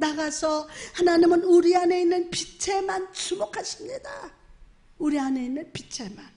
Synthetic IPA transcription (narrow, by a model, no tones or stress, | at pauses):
naɡasʰʌhanaɲimɯnuɾiane̞inːɯnpit͡ɕʰe̞mansʰumokʰaɕʰimɲida | uɾiane̞inːɯnpit͡ɕʰe̞man